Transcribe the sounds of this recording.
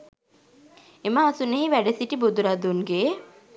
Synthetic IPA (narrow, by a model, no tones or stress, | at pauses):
eməasuneɦiʋæɖesiʈibud̪uɾad̪unɡe